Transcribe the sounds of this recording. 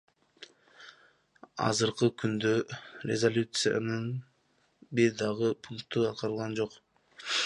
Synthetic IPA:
ɑ̰zɯɾqɯkynd̪ørʲezolʲut̪sɨja̰nɯn | biɾd̪ɑʁɯpʰuŋk̚t̪uɑt̪̚qɑɾɯlˠʁɑnd͡ʒo̞q

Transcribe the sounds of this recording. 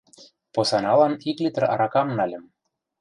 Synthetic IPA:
posɑnɑlɑniklʲit̪ə̆rɑ̰ɾɑkɑmnɑlʲɘ̆m

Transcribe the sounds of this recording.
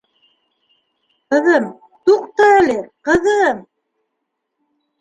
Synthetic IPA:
qɤ̆ðɤm | t̪uqt̪ɤælɘqɤ̆ðɤm

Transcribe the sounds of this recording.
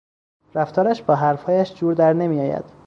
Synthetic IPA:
ɾæft̪ʰɒːɾæʃbɒːɦæɾfhɒːjæʃd͡ʒuːɾd̪æɾne̞miːjɒːjæ̰d̪̥

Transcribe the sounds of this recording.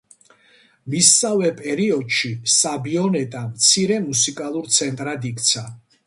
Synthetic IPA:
misːavɛpʼɛɾiɔd̪ʃisabiɔnɛt̪ʼamt̪sʰiɾɛmusikʼalˠuɾt̪sʰɛnt̪ʼɾad̪ikʰʼt̪sʰa

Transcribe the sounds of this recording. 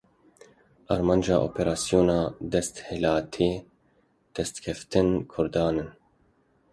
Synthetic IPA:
ʔɑɾmɑːnd͡ʒɑːʔo̰ːpʰeɾaːsjoːnɑːd̪ɛst̪helaːt̪ʰeː | d̪̥ɛst̪kʰɛft̪ɨnkʰʊɾd̪ɑːnɨn

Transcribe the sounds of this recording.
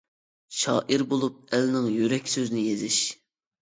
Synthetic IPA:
ʃɑ̰ːʔiɾbolˠup̚ælnɪŋjyɾɛkʲsøzɪnɪjezɪʃ

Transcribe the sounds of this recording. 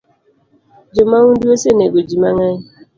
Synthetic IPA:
d͡ʒomawunduoseneɡod͡ʒimaŋaɲ

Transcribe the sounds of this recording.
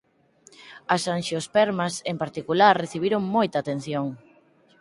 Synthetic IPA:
ɐsanʃjospɛɾmɐsempaɾt̪ikulaɾreθiβiɾoŋmojt̪aːt̪ẽn̟θjoŋ

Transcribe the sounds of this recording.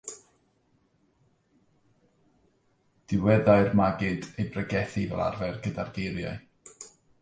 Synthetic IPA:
d̥ɪwɛðaɨrmaɡɪdejbrəɡɛθivɛ̰lˠa̰rvaɨrɡədarɡejɾja̰ɨ

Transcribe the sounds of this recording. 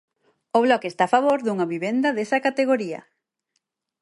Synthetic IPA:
oβlɔkest̪aːfaβoɾðuŋɐβiβend̪ɐðesɐkat̪eɣoɾiɐ̰

